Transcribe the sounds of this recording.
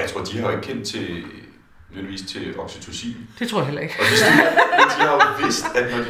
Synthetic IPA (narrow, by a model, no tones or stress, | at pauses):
jät͡sʰʁo̝ɐ̰d̥ihɑ̈e̝ɡ̥̚kʰen̰d̥̚t͡sʰe̝ | nøeliʋḭːst͡sʰe̝ed̥ɒ̽ɡ̥sit͡sʰusḭːmd̥e̝t͡sʰoɔɐ̰jɦelɐe̝ɡ̥ɒ̽d̥esdi̥d̥ihɑ̈ʋe̝sd̥æd̥ɒ̥